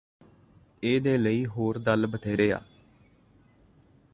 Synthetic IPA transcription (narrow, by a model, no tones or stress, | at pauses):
eːd̪eːləiːɦoːɾd̪əlbət̪ʰeːɾeːa̰ː